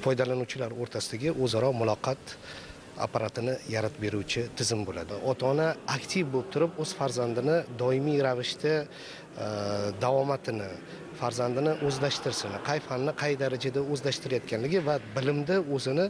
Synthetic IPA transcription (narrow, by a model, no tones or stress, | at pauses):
fɒjd̪alanuwt͡ʃʰɪlaɾoɾt̪ʰasɪd̪aɡʲɪʔɵzaɾɒmʊlˠɒqʰɑt̪ | a̰pʰaɾat̪ʰɪnɪjaɾat̪be̞ɾuwt͡ʃʰɪt̪ʰɪzɪmbola̰d̪ɪʔɒt̪ʰɒnaːkʲt̪ʰɪvbolɪp̚t̪ʰʊɾɪpɵz̥faɾzand̪ɪnɪd̪ɒɪmijɾavɪʃt̪ʰa | d̪avɒmat̪ʰɪnɪ | faɾzand̪ɪnɪʔɵzlaʃt̪ɪɾsɪnqʰɑjfanːɪqʰɑjd̪aɾad͡ʒad̪aɵzlaʃt̪ɪɾajat̪̚kʲʰanlɪɡʲɪvabɪlɪmd̪ɪɵzɪnɪ